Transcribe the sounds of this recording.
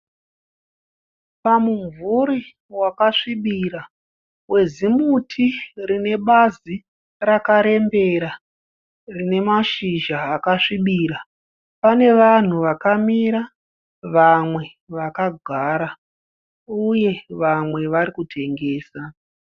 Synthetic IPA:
pamuɱvuɾi | wakaʂiɓiɾa | we̞zimutʰirine̞ɓazi | rakaɾe̞mbe̞ɾa | rine̞maʃiʒaːkaʂiɓiɾa | pane̞ʋan̤uʋakamiɾa | ʋamwe̞ | ʋakaɡʱaɾa | uje̞ʋamwe̞ʋaɾikutʰe̞ŋɡe̞ːsa

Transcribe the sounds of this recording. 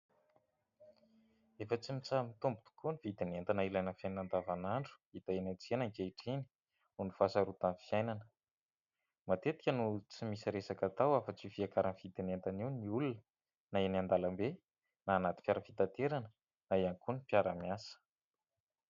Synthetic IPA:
efət͡simit͡samit̪umbud̪u̥kunivid̪inent̪anailajnəfjajnnand̪avanaɳɖ͡ʐu̥it̪aenat͡sienaŋkeiʈ͡ʂini̥ | unifasaɾut̪anfijajnanə̥ | mat̪et̪i̥kʲənut͡simisiɾesakat̪awafət͡sifiakaɾanivid̪inent̪aniwniulunə | naenand̪alambe | naːnat̪i̥fʲjaɾəfit̪at̪eɾanə | naiankunipjaɾamiasə̥

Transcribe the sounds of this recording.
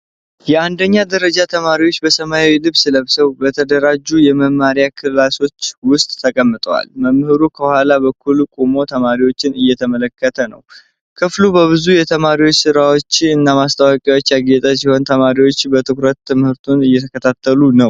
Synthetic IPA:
jɛand̪əɲːad̪əɾəd͡ʒat̪ʰəmaɾiwot͡ʃːbəsəmajawilɨβsɨləβsəwbət̪ʰəd̪əɾad͡ʒːujɛməmːaɾjakʰɨllaso̞t͡ʃːwʊst̪ʼːʰəkʼəmːɨt̪ʼəwa̰lməmːɨhɨɾukʰəhwalabəkʰːulkʼumo̞t̪ʰəmaɾiwo̞t͡ʃːɪnɨjːɛt̪ʰəmələkːət̪ʰənə̰w | kʰɨflubəβɨzujɛt̪ʰəmaɾiwot͡ʃːsɨɾawo̞t͡ʃːɨnːamast̪ʰəwakʼjawo̞t͡ʃːjaɡet̪ʼasiho̞nt̪ʰəmaɾiwo̞t͡ʃːbət̪ʰɨkɾət̪ːɨmhɨɾt̪ʰunɨjːɛt̪ʰəkʰət̪ʰat̪ʰːəlunəw

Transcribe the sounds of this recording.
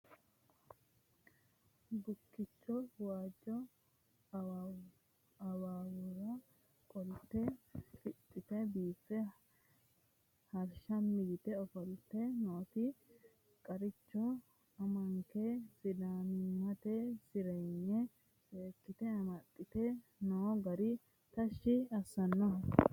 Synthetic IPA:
ɡʊkːɪt͡ʃːɔwaːd͡ʒːɔ | ɐwaːwʊɾɐ | kʼɔlt̪ːɛfɪt̪ʼːɪt̪ɛbiːfːɛ | hɐɾʃɐmːɪɡɪt̪ɛɔfɔlt̪ːɛnoːt̪ɪ | kʼɐɾɪt͡ʃːɔ | ɐmɐŋkɛsɪd̪aːnmɐt̪ɛsɪɾɛjnːɛ | seːkːɪt̪ɛɐmɐt̪ʼːɪt̪ɛ | noːɡɐɾɪ | t̪ɐʃːɪɐsːɐnːɐɦɔ

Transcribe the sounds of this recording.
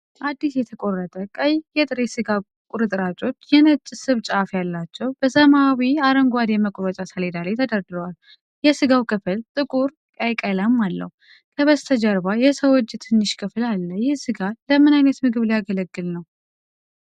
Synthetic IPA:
ʔad̪ːisjɛt̪ʰəkʼo̞rːət̪ʼəkʼəjjɛt̪ʼɨɾesɨɡa | kʼuɾɨt̪ʼɾat͡ʃʼo̞t͡ʃːjɛnət͡ʃʼːsɨβt͡ʃʼafjalːat͡ʃːɛwb̥əsəmawiaɾəŋɡwad̪jɛməkʼɾɔt͡ʃʼasəled̪alajt̪ʰəd̪əɾd̪ɨɾəwal | jɛsɨɡawkʰʼɨfɨlt̪ʼɨkʼuɾ | kʼajkʼələmːalːə̰ | kʰəβəzt̪ʰəd͡ʒəɾbajɛsəwɔt͡ʃːt̪ʰɨnːɨʃkʰɨfɨlalːəjɪhsɨɡaləmːɨnajnət̪mɨɡɨβljaɡələɡːɨlnəw

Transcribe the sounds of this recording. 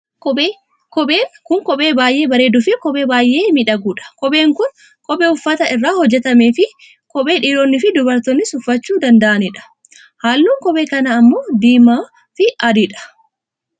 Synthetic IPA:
kɔe | kɔeːkʊŋkɔɓe̞ːbaːjʔe̞ːbɐɾe̞ːd̪ʊfɪkɔɓe̞ːbaːjʔe̞ːmɪᶑɐɡuːᶑɐ̥kɔɓe̞ːŋkʊn | kɔɓɛʊfːɐt̪ɐɪrːaːhɔd͡ʒːɛt̪ɐmeːfɪ | kɔɓe̞ːᶑiːɾoːnːɪfɪd̪ʊbɐɾt̪ɔnːɪsʊfːɐt͡ʃːuːd̪ɐnd̪ɐʔɐnɪᶑɐ̥ | haːlːuːŋkɔbeːkɐnɐːmːoːd̪iːmaː | fɪɐd̪ɪᶑɐ̥

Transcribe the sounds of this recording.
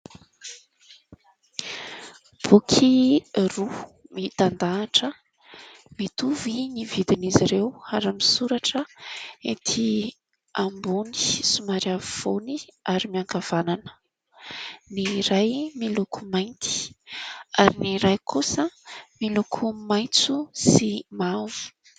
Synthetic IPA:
b̥ukʰirumit̪and̪aːʈ͡ʂə | mit̪uvinivid̪iniziɾewaɾamisuɾaʈ͡ʂəet̪ʰi | ambuni̥sumaɾiavifoniaɾimiaŋkav̥ananə̥ | niɾajmilukʰumajnt̪i̥ | aɾiniɾajkʰusəmilukʰumajt͡susimavu̥

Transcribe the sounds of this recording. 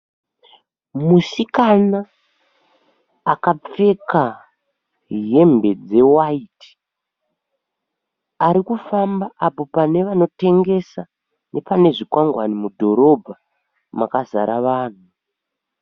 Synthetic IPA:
musikana | kap͡fe̞ka | ɦe̞mbe̞d͡ze̞waiti̥ | aɾikufambaʔapo̞pane̞ʋano̞te̞ŋɡe̞sa | ne̞pane̞ʐikwaŋɡwanimudʱo̞ɾo̞bʱa | makaza̰ɾaʋaːn̤u

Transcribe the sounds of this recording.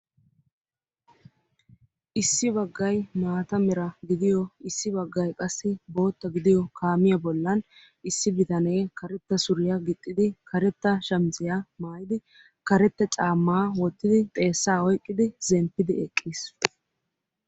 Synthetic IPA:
ʔɪsːɪbɐɡːɐjmaːt̪ɐmɛɾɐɡɪd̪ɪjɔɪsːɪbɐɡːɐjkʼɐsːɪbo̞ːt̪ːɐɡɪd̪ɪjɔkʰaːmɪjɐbɔlːɐn | ʔɪsːɪbɪt̪ɐneːkɐɾɛt̪ːɐsʊɾɪjɐɡɪt̪ʼːɪd̪ɪkʰɐɾɛt̪ːɐʃɐmzɪjamaːjɪd̪ɪ | kɐɾɛt̪ːɛt͡sʼaːmːaːwɔt̪ːɪd̪ɪt̪ʼe̞ːsːaːɔjkʼːɪd̪ɪzɛmpːɪd̪ɪɛkʼːiːs

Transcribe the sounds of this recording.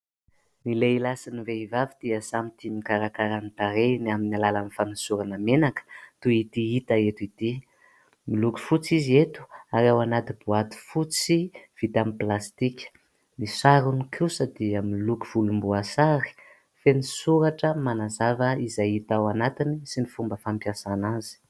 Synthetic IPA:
nileilasiniveivavid̪̥iəsamit̪imikaɾakaɾant̪aɾeniaminalalanifanisuɾanamenakə̥t̪uit̪iit̪aet̪uit̪i | miluku̥fut͡siziet̪u̥aɾewanat̪ibuat̪u̥fut͡siv̥it̪amiplast̪ikʲə̥ | misaɾunukʰusəd̪iəmiluku̥v̥ulumbuasaɾi̥ | fenisuɾaʈ͡ʂəmanazavəizajit̪awanat̪inisinifumbəfampjasanazi̥

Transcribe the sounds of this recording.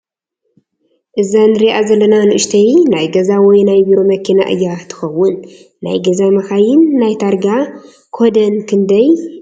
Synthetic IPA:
ʔɨzanɨɾiʔazɐlːɐnanɨʔɨʃt̪ʰɐjnajɡɐzawɔjnajbiɾo̞mɐkʰina̰ʔɨ̰jːat̪ʰɨ̥xɐwʊnː | a̰jɡɐzamɐxajɪnːajt̪ʰaɾɡa | kʰod̪ɐnkʰɨnd̪ɐj

